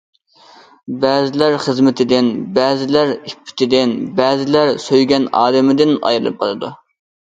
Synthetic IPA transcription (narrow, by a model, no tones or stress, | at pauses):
bɛːzɪlæɾχəzmɪt̪ʰɪd̪ɪnbæːzɪlæɾipʰːɪ̥t̪ʰɪd̪ɪnbæːzɪlæɾsøjɡʲɛnɑ̰ːd̪ɪmɪd̪ɪnɑ̰jɾɨlˠɨ̰p̚qʰɑlˠɨd̪ṵ